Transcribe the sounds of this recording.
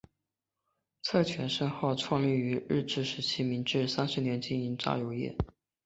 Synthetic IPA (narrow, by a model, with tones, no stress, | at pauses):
t͡sʰɤ˥˩t͡ɕʰɥɛ˧˥nʂə˥nxɑ˥˧ʊʈ͡ʂʰwɑ˥˧ŋly˥˩y˧˥ɻɻ̩˥˧ʈ͡ʂɻ̩˥˩ʂɻ̩˧˥t͡ɕʰi˥mi˧˥ŋʈ͡ʂɻ̩˥˧sa˥nʂɻ̩˧˥njɛ˧˥nt͡ɕi˥˩ŋi˧˥ŋʈ͡ʂa̰˥˩jo˧˥ʊjɛ̰˥˩